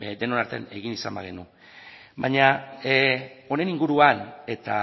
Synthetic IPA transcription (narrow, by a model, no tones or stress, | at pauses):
d̪e̞no̞naɾt̪e̞ane̞ɣ̞inisa̰mba̰ɣ̞e̞nu | βaɲa | o̞ne̞niŋɡuɾuane̞t̪a